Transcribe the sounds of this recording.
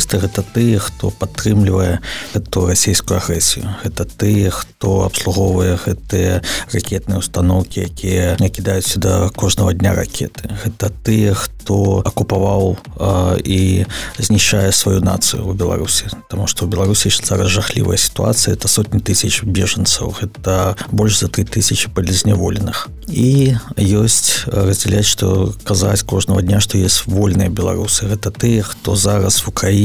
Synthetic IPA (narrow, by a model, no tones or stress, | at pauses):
st̪ɐɣɛt̪ɐt̪ɨjɛxt̪ɔ̰pat̪ːɾɨmlʲivɐjɛɛt̪urasʲejskujʊaɣɾɛsʲijʊɣɛt̪ɐt̪ɨjɛxt̪ɔɐ̰pslˠuɣɔvɐjɛɣɛt̪ɨjɛrakʲɛt̪̚nɨjɛwst̪anɔwkʲijakʲijɛnɐkʲid̪ajut͡sʲːɐd̪ɐkɔʐnɐvɐd̪ʲnʲa̰ra̰kʲʰɛ̰t̪ɨ̥ɣɛt̪ɐt̪ɨjɛxt̪ɔɐkupavaw | izʲnʲiɕajɛsvajuna̰t̪sɨjʊ̰ubʲɛlˠa̰ɾusʲit̪amuʂt̪ɔwbʲɛlˠaɾusʲjesʲzaɾɐsʐaxlʲḭvə̰jəsʲi̥t̪ua̰t̪sɨjəɛt̪ɐsɔt̪ʲnʲit̪ɨsʲɐt͡ʃbʲeʐɐnt̪sɐ̰wɣɛt̪ɐbɔlʲʂzɐt̪ɾit̪ɨsʲɐt͡ʃi̥pɐd̪lʲɐzʲnʲɛvɔlʲɪnɨx | ijosʲt͡sʲrəzʲdd͡zʲɛlʲat͡sʲʂt̪ɔ̰kazat͡sʲkɔʐnɐvɐd̪ʲnʲaʂt̪ɔjesʲt͡sʲvɔlʲnɨjəbʲɛlˠa̰ɾusɨɣɛt̪ɐt̪ɨjɛxt̪ɔzaɾɐsvukɾai